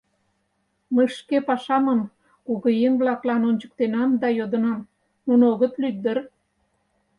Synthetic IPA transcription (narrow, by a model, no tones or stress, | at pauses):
məjʃkepɑʃɑmən | kuɣəjeŋblɑklɑnonʲt͡ɕə̥k̚t̪enɑmd̪ɑjod̪ə̆nɑm | nunoɣət̪lyk̪̚d̪ər